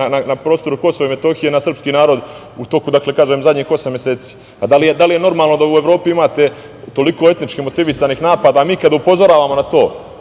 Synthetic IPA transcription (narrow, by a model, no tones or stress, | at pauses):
ananapɾo̞ːst̪o̞ɾuko̞soʋaime̞t̪o̞ːxijenasr̩pskiːnaːɾo̞d̪ | ut̪o̞kud̪akle̞kaːʒemzad̪ʲɲiːxo̞samjeseːt̪si̥ː | pad̪alijed̪alije̞no̞ɾmaːlˠno̞d̪aue̞ʋɾo̞ːpiimaːt̪e̞ | t̪o̞liko̞e̞t̪nit͡ʃkimo̞t̪iʋisaːniːxnaːpad̪aːmiːkad̪aupo̞zo̞ɾaːʋaːmonat̪o̞ː